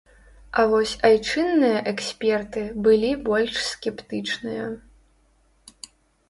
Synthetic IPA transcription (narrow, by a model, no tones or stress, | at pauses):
ɐvɔsʲajt͡ʂɨnːɨjɐʔɛksʲpʲɛrt̪ɨbɨlʲibɔlʲʂsʲkʲɛpt̪ɨt͡ʂnɨjɐ